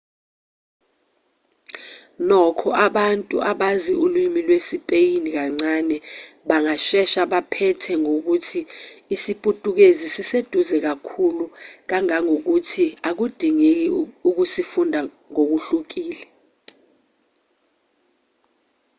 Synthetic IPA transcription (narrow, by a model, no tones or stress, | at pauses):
nɔkʰɔʔaɓantʼṵʔaɓaziulwimilwesipʼejinik̬aŋ͡ǀanɛɓaŋaʃɛʃaɓapʰɛtʰɛŋok̬utʰiːsipʼutʼuk̬ezisised̥ʱuzɛk̬akʰuluk̬aŋaŋok̬utʰiak̬ud̥ʱiŋek̬iuk̬usifundʱa | ŋok̬uɬuk̬iːlɛ